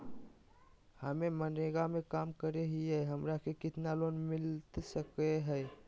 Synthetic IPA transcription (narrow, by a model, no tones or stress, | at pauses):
həmeməneɡamekaːmkəɾeɦiɛɦəmɾakʰekɪt̪nalonmɪlt̪səkeɦɛː